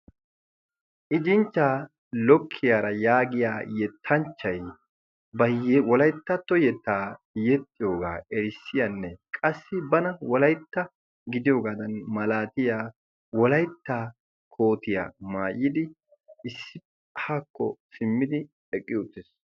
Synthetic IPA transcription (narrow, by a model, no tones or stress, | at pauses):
ʔɪd͡ʒɪnt͡ʃːaː | lɔkʰːɪjaːɾɐjaːɡɪjaːjɛt̪ʰːɐnt͡ʃːɐj | bɐwɔlɐjt̪ːɐt̪ːɔjɛt̪ːaː | jɛt̪ʼːɪjo̞ːɡa̰ːɛɾɪsːɪjanːɛkʼɐsːɪbɐnɐwɔlɐjt̪ːɐ | ɡɪd̪ɪjoːɡaːd̪ɐnmɐlaːt̪ɪjaː | wɔlɐjt̪ːaː | kʰo̞ːt̪ɪja̰ːmaːjːɪd̪ɪ | ɪsːɪ | haːkːɔ̰sɪmːɪd̪ɪ | ɛkʼːɪjʊt̪ːɪs